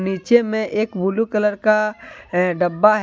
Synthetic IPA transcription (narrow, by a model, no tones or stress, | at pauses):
niːt͡ʃemẽʔeːkbulukələɾka | ɖɐbːaɦ